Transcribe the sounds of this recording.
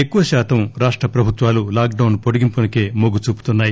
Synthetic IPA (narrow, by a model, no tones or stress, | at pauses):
ekːuʋɐʃaːt̪ʰɐmɾaːʂʈɾɐpɾɐbʱut̪ʋaːlulaːk̚ɖɐwnpoɽiɡimpunɐkeːmoɡut͡ʃuːpu̥t̪unːaːji